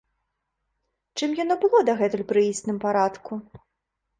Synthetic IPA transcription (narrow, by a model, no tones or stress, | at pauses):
t͡ʂɨmjanɔbɨlˠɔd̪ɐɣɛt̪ɨlpɾɨisʲnɨmpaɾat̪ku